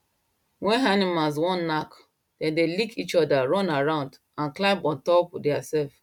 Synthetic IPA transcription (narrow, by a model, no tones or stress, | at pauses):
wɛ̃nanimalz̬wɔ̃nnak | d̥ɛ̃ndelikʰit͡ʃɔdaɹɔ̃naɹãʊ̃nd | ãnklãɪ̃pɔ̃ntɔpdɛasɛlf